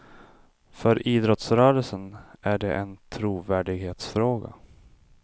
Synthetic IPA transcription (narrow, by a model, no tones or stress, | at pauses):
fœɾiːd̪ɾɔt̪sɾœːɾəlsənæɖɛ̰ʔɛnt̪ʰɾuːvæːɖɪɡheːt̪sfɾoːɡa̰